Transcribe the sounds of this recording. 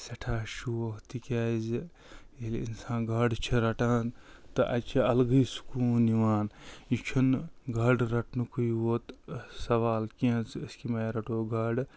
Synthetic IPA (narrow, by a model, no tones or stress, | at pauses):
sɐʈʰaːʃuːɐɦt̪ikʲaːz | jelḭnsãːnɡɐɖt͡ʃʰiɾɐʈãːt̪ɨʔɐ̰t͡ʃʰiɐlɡijsu̥kuːniʋaːnit͡ʃʰunɡɐɖɾɐʈnɨkʰujʋoːt̪sɐʋaːlkiɐ̃t͡səskimajɾɐʈoːɡɐɖ